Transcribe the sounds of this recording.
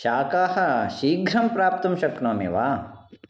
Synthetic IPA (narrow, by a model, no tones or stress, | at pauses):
ʃaːkaːhɐ̆ʃiːɡʱɾɐmpɾaːp̚t̪ɐmʃɐknoːmḛʋaː